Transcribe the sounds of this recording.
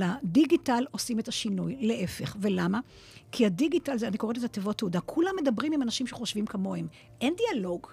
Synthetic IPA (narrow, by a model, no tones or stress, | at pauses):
ladiɡitalo̞sime̞taʃinujle̞ʔe̞fe̞χve̞lama | kʰiadiɡitalzeanikoet̬etat̪evotːeudakʰulamːe̞dɐbʁimimanaʃimʃeχo̞ʃvimkamo̞hem | ʔe̞ndialo̞ɡ